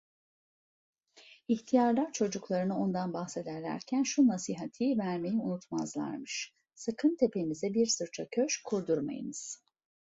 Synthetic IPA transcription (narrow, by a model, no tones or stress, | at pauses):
içt̪ʰijaɾlˠaɾt͡ʃʰo̞d͡ʒuklˠaɾɯnɯo̞nd̪anbaxse̞d̪æɾlʲæ̰ɾcʰænʃunasiːɦat̪ʰiːvæɾme̞jiunut̪ʰmazlˠa̰ɾmɯʃ | sakʰɯnt̪ʰe̞pʰe̞jimizɛbiɾsɯɾt͡ʃʰacʰøʃkʰuɾd̪uɾma̰jɯ̰nɯz̥